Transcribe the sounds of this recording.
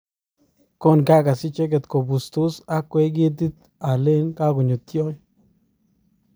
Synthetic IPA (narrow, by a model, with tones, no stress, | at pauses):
ko˦˨nka˦ka˨sɪ˦t͡ʃe˦ɡ̬ɛ˨t̪ko˨bu˨st̪u˦sa˦kwe˦ɡi˦t̪̬i˦t̪ | a˨le˦nka˦ɡu˨ɲo˨t̪jo˦j